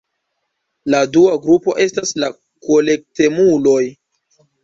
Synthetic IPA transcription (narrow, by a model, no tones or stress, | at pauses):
laduaɡɾupo̞ʔe̞stasla | kole̞k̚te̞mulo̞j